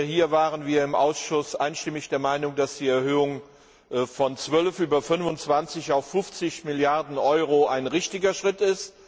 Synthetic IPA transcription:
hiːɐvaːʁənviːɐɪmʔa̰ʊsʃʊsʔaɪnʃtɪmɪçd̥eːɐmaɪnʊŋdasd̥iːɛɐhøːʊŋ | fɔnt͡sv̥œlfʔyːbɐfʏnvʊnt͡sv̥ant͡sɪçaʊfːʊft͡sɪçmɪljaɐdn̩ʔɔʏʁoʔaɪnʁɪçtɪɡɐʃʁ̥ɪtɪst

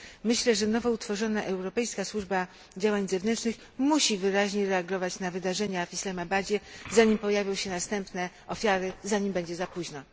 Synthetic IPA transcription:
mɘɕlɛʐɛnɔvɔut̪fɔʐɔnaʔɛwɾɔpɛjskaswuʐba | d͡ʑawaɲzɛvnɛnt͡ʂnɘx | muɕivɘɾaʑɲeɾɛaɡɔvat͡ɕnavɘd̪aʐɛɲafislɛmabad͡ʑɛzaɲimpɔjavʲjɔ̃w̃ɕɛnast̪ɛmpnɛ | ɔfʲjaɾɘzaɲimbɛɲd͡ʑɛzapuʑna

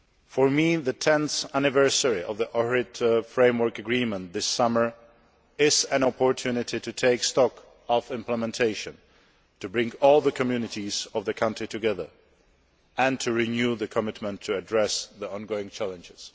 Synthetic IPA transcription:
fə˞miðɨtʰɛ̃nθænɨvɜ˞səɹiʔʌvðiʔɔɹɪtəfɹẽɪ̃mwə˞kɨɡɹĩmə̃nðɪsʌmə˞ | ɪzɨ̃nɔpʰəɹtʰʉnɪɾitɨtʰeɪkstɔk | ɔfɪ̃mpləmɛ̃ntʰeɪʃɨ̃n | tʰɨbɹɪ̃ŋɔlˠðəkʰɨmjʉnɨɾizʌvðɨkʰʌ̃ntɹ̥itʰɨɡɛðə̰˞ | ɨ̃ntʰɨɹinjuðɨkʰəmɪtmə̃ntʰːɨːdɹɛsðiɔ̃nɡoʊɪ̃ŋt͡ʃʰælˠə̃nd͡ʒɪz̥

